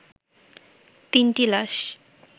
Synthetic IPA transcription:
t̪inʈilaʃ

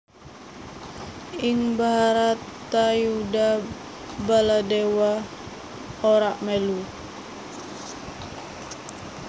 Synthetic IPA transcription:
ɪŋbaɾat̪ːajuda | baladewa | oɾaʔmelu

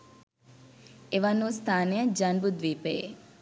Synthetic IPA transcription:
eʋɐnust̪ʰaːnejɐd͡ʒanbud̪ʋiːpeḛ

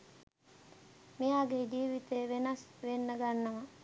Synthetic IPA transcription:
mijaːɡed͡ʒiːʋit̪ejʋenɐsʋenːəɡanːɐmɐ

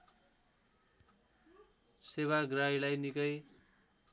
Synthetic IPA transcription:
seβaɡrajlajnikʌj

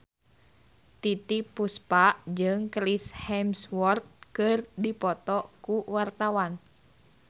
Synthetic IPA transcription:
t̪it̪ipuspaʔd͡ʒɨŋkɾishɛmswɔrt̪̚kɨrdipɔt̪ɔkuwart̪awan

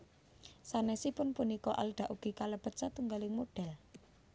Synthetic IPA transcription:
sanɛsipʊnpunikɔʔa̰lɖ̥a̤ʔuɡ̥i̤kaləb̥ə̤sat̪uŋɡalɪŋmoɖ̥ɛ̤l

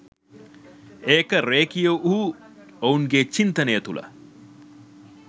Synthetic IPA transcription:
eːkɐɾeːkijoʔuu | ɐunɡet͡ʃint̪ɐnejɐt̪ulʔɐ̰

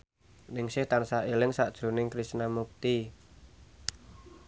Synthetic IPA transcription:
nɪŋsɪht̪ansaelɪŋsaʔd̥ʒ̥ɾṳnɪŋkɾist̪namuk̚t̪i

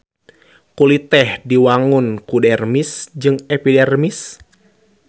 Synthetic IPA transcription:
kulit̪ɛhdiwaŋunkudɛrmisd͡ʒɨŋɛpidɛrmis

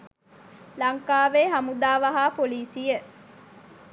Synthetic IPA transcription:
lɐŋkaːʋeːɦɐmud̪aːʋɐɦaːpoliːsijeʔ

